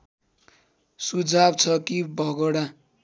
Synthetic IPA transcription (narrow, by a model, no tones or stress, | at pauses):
sud͡zʱabt͡sʰʌkibʱʌɡoɽa